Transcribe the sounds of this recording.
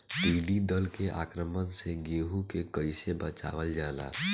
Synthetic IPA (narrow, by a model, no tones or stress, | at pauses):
piːɖid̪əlkeʔa̰ːkɾəmənseɡeːɦukekəɪsebət͡ʃa̰ːʋəld͡ʒaːla̰ː